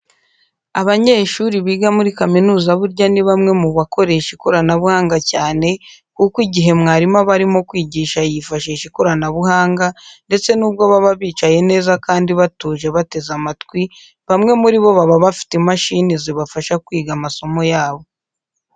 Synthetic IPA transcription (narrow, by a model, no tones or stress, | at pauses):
aβaɲe̞ːʃuɾiβiːɡamuɾikaminuːzaβuɾɟaniβamŋe̞muβako̞ɾe̞ʃikoɾanaβuhaːŋɡacaːne̞kukwiɟiɦe̞mŋaːɾimaβaɾimo̞kwiːɟiːʃajifaʃiʃikoɾanaβuhaːŋɡande̞t͡se̞nuːb̚ɡo̞βaβaβiːt͡ʃaje̞ne̞ːzakaːndiβatuːʒe̞βate̞zamatkwi | βamŋe̞muɾiβo̞βaβaβafi̥temaʃiniziβafaʃakwiːɡamaso̞mo̞jaːβo̞